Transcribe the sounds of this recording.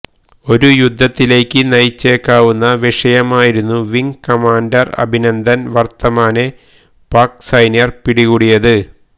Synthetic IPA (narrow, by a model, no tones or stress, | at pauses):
o̞ɾujud̪ʱːɐt̪ːile̞ːkʲːɨnɐjt͡ɕːe̞ːkːaːʋunːɐʋiʂɐjɐmaːjiɾunːuʋiŋkɐmaːndɐrɐ̰bʱinɐnd̪ʱɐnʋɐrt̪ːɐmaːne | paːksɐjnjɐrpiɽiɣuːɽijɐðɨ